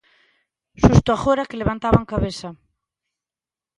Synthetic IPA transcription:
ʃust̪ʊaxoɾakeleβant̪aβaŋkaβesa

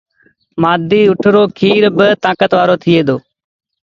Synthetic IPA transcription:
maːd̪iːʊʈʰɾoːkʰiːɾbɪt̪ãːkət̪ʋaːɾoːt̪ʰɪeːd̪oː

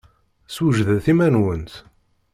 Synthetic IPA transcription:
swəʒðæθimænwənt̪

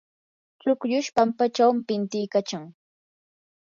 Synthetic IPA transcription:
t͡ʃʊkʎʊʃpampat͡ʃawmɪpɪnt̪ɪjkat͡ʃaŋ

